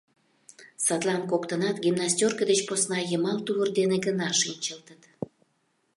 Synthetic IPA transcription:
sɑt̪lɑnkokt̪ənɑt̪ɡʲimnɑsʲt̪ʲorkəd̪et͡ɕposnɑjəmɑlt̪uβərd̪eneɡənɑʃinʲt͡ɕəlt̪ət̪

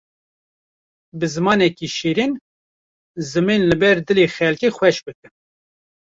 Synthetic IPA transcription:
bɨzɨmɑːnɛkiʃeːɾin | zɨminlɨbɛɾd̪ɨleːxɛlkeːxwʷɛʃbɨkɨn

